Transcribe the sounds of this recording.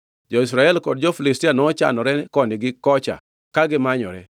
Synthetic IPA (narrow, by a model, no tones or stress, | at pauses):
d͡ʒɔis̬ɾaɛlkɔdd͡ʒɔfilistianɔt͡ʃa̰nɔɾɛkɔnɪɡɪkɔt͡ʃa̰ | kaɡɪmaɲɔ̰ɾɛ̰